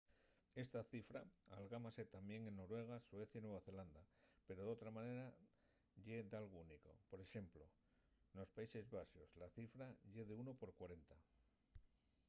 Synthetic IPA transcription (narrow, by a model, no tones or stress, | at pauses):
e̞st̪aθifɾaːlɣamase̞t̪ambje̞ŋe̞nːo̞ɾwe̞ɣ̞aswe̞θjainwe̞β̞aθe̞land̪ape̞ɾo̞ðo̞t̪ɾamane̞ɾa | ʎe̞d̪alɣouniko̞̰po̞ɾe̞ʃe̞mplo̞ | no̞spaise̞zβasio̞zlaθifɾaʎe̞ðeuno̞po̞ɾkwaɾe̞nt̪a